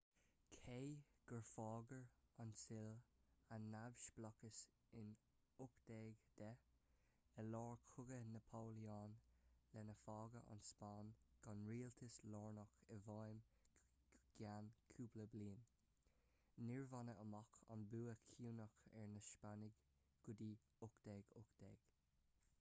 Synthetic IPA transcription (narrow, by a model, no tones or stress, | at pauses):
kʰejɡ̥əɹfɑːɡəɹansɪlanːavʃblɔkəs | ɪn | ʊkd̪̥ɛːɡd̪̥ɛ | əlɔːɹkʰʊɡənəpʰoːliaːnlɛnəfɑːɡəʔa̰nspɑːnɡ̥ɔnɹiːlt̪ʰəslɔːɹnɔkəvɑjm | ɡ̥ankʰuːbləbliːn | niɹvɔnəʔəmɔkʰa̰nbuːəkʰuːnəxɛɹnəʃpanɪɡ | ɡ̥ʊd̪iː | ʊkd̪̥ɛːɡʊkd̪̥ɛːɡ̥